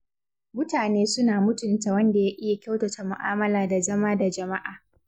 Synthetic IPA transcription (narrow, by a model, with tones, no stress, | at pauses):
mʊ˦taː˨neː˦sʊ˦naː˨mʊ˦tʊ˨nta˨wɐ˦nda˨ja˦ʔɪ˦ja˨kʲa˦wtɐ˨ta˨mʊ˨ʔa̰ː˦mɐ˦laː˨da˨zɐ˦maː˦da˨d͡ʒɐ˨ma˦ʔaː˨